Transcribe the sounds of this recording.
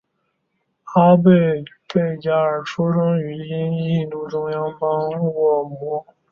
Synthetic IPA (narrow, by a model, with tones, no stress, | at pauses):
xa˥pe˥˧ɪp̪e˥˩ɪt͡ɕja˥ə˞˨˩ʈ͡ʂʰu˥ʂɤ˥ŋy˧˥i˥ni˥˧nt̪u˥˩ʈ͡ʂʊ˥ŋjɑ˥ŋpɑ˥ŋwɔ˥˩mu˧˥